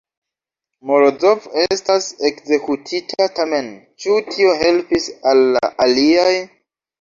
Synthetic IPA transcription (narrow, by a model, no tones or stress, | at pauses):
moɾod͡zove̞stase̞kze̞kutʰitʰatame̞nt͡ʃutʰio̞ɦe̞lpisalːa̰ʔaliaj